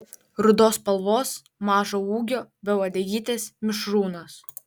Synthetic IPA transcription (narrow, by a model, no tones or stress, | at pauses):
ɾʊd̪oːspɐlˠʋoːs | mɑːʒoːuːɡʲoːbʲɛʋɐd̪ʲɛjʲiːt̪ʲeːsmʲɪʃɾuːnoːs